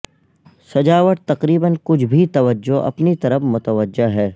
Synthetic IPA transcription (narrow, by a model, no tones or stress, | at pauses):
sɐd͡ʒaːʋəʈt̪ɐqɾiːbənkʊt͡ʃʰbʱit̪ɐʋəd͡ʒoʔɐ̰pnit̪ɐɾəfmʊt̪əʋəd͡ʒːəɦɛː